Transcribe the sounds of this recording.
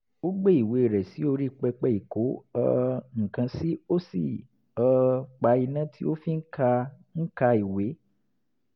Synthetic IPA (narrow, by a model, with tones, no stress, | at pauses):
o˦ɡ͡be˦i˨we˨˧˨ɾɛ˨si˨˦o˧ɾi˦˨k͡pɛ˧k͡pɛ˦i˨ko˨˦ɔ̰˦˧ŋ̩˨kã˧si˦o˦sḭ˨ | ɔ˧k͡pa˧˦i˧nã˦ti˦o˦fi˦ŋ̩˦ka˧ | n̩˦ka˧i˨we˨˦